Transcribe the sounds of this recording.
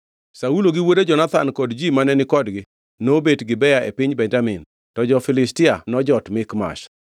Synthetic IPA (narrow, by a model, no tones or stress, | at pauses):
sauloɡɪwoded͡ʒɔnat̪ankɔdd͡ʒimanɛnɪkɔdɡɪ | nobetɡɪbɛjaʔepɪɲbɛɲd͡ʒamɪn | tɔd͡ʒɔfɪlɪstɪanɔd͡ʒɔtmɪkma̰ʃ